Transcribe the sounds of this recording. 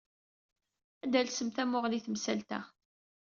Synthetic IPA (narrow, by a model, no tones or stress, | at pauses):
æd̪ælsəmθæmʊʁliθmsælt̪æ̰